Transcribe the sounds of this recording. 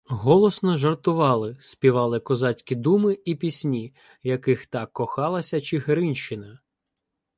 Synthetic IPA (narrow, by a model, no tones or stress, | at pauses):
ɦɔlˠɔsnɔʒɐrt̪ʊʋɑlˠɪsʲpʲiʋɑlˠɪkɔzɑtʲkʲid̪umɪipʲisʲnʲi | jɐkɪxt̪ɑkːɔxɑlˠɐsʲɐt͡ʃɪɦeɾɪnʲʃt͡ʃɪnɐ